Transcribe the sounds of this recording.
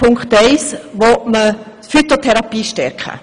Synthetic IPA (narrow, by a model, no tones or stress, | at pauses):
ʊŋkχt̪ɛɪsʋɔtmə | tfyt̪otʰɛɾɑpiːʃtɛɾkχə̰